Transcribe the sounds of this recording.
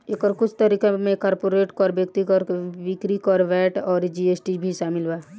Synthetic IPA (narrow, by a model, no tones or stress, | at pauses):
ekɔɾkʊt͡ʃʰt̪ɐɾiːkemẽkɔːɾpoːɾeːʈkɔːɾbjəkt̪ikɔɾkeʋɪkɾikɔːɾʋɛːʈɔːɾd͡ʒiːesʈibʱiʃaːmɪlbaː